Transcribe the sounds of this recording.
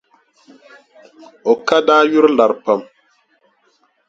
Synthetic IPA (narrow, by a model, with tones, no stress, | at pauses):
o˨ka˦daː˦ju˦ɾla˨ɾpə˨m